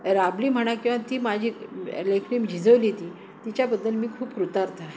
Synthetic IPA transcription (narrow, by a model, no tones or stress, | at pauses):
ɾabliːm̤əɽ̃akĩw̃ʋat̪iːmad͡ʑʱiləkʰnimd͡ʑʱid͡zəʋlit̪iː | t̪it͡ɕjabəd̪ːəlmiːkʰuːpkɾut̪aɾt̪a